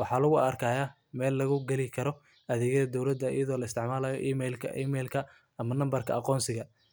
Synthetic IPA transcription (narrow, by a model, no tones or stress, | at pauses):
wɑħɑːlɐɣʊɐrkʰaːjaː | mɛːlːɐɣʊɡɛlɪkʰɐɾɔ | ʔɐðɛːɣɐðɐd̪ɔwlɐd̪ɐɪ̰jɐðɔːlɐɪst̪ʰɪʕmaːlɐːjɔ̰ʔiːmɛlkʰɐ̰ʔiːmɛlkʰɐ | ɐmɐnɐmbɐrkʰɐ̰ɑqɔːnsɪɣɐ